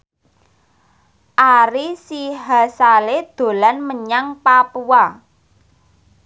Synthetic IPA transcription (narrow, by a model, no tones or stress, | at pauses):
ʔaɾisiɦasaled̪̥o̤lanməɲaŋpapua